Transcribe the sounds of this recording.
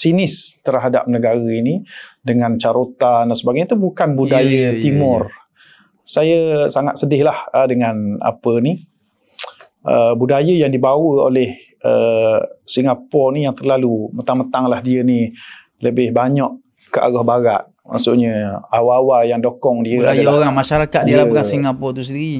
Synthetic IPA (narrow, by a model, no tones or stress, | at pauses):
sinɪst̪ərɦada̰p̚nəɡaɣəinidəŋant͡ʃaɾot̪andansəbaɡajət̪ubukanbudajət̪imʊr | sajəsaŋa̰t̪̚sədɪhlahədəŋana̰pəni | ʔəbudajəjaŋdibawəo̰lɛh | ə | siŋapɔnijaŋt̪ərlalumət̪aŋmət̪aŋlahdiəni | ləbɪhbaɲɔʔ | kəʔa̰ɡɔhbaɣa̰ʔ | ma̰ʔsuʔɲəawaːwajaŋdokɔŋdiəa̰dabaɾamaʃaɾakat̪̚dilakasiŋapɔt̪usəndiɾi